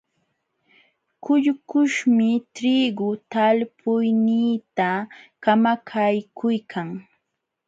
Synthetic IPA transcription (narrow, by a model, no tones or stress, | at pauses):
kʊʎkʊʃmɪt̪ɾiɡʊt̪alpʰʊjniːt̪akamakʰajkʰʊjkʰaŋ